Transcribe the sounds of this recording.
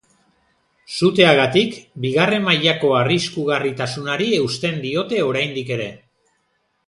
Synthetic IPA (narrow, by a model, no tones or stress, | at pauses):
sut̪e̞aɣat̪ikbiɣare̞maʎako̞ariskuɣ̞arit̪asunaɾie̞wst̪e̞nd̪io̞t̪e̞o̞ɾajnd̪ike̞ɾe̞